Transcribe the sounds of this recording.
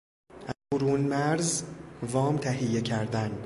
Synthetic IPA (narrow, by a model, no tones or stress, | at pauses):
ʔæzboɾuːnmæɾzvɒːmt̪ʰæɦijːe̞cʰæɾd̪æn